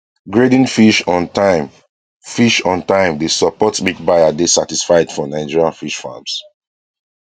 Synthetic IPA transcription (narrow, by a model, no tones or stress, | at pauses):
ɡɹedĩnfiʃɔ̃ntam | fiʃɔ̃ntãɪ̃mdesɔpɔtmik̚bajadesatisfaɪdfɔnaɪd͡ʒiɹãnfiʃfa̰ms